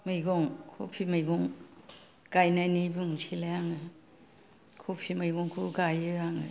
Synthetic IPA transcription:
majɡɔŋkʰo̰pʰimajɡɔŋ | kajnajnibuŋsʰilajaŋɯ | kʰopʰimajɡɔŋkʰuɡajɯaŋɯ

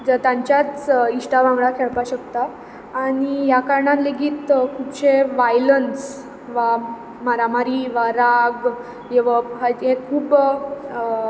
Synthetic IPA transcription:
d͡zət̪ãɲt͡ɕjat͡siɕʈaʋãŋɡɭakʰeɭpaɕəkt̪aː | ɽ̃ijakaɾɳat̪leɡiːt̪kʰubɕeʋajləns | ʋa | maɾamaɾiʋaɾaɡ | jeʋəɦaẽkʰuːb

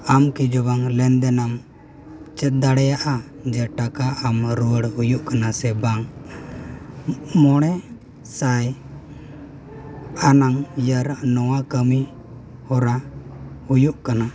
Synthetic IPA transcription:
amkid͡ʒɔbaŋlɛnd̪ɛnam | t͡ʃɛt̪̚d̪aɽɛjaʔa | d͡ʒɛʈakaamɾuwəɽhujuʔkanasɛbaŋ | mɔɽ̃ɛ | saj | anaŋjaɾnɔwakəmi | hɔɾahujuʔkana

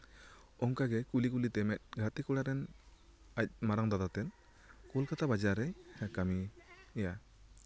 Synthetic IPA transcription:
ɔŋkaɡɛkulikulit̪ɛmɛt̪̚ˀɡʱat̪ikuɽaɾɛn | ac̚maɾaŋd̪ad̪at̪ɛn | kulkat̪abad͡ʒaɾɛhɛkamija

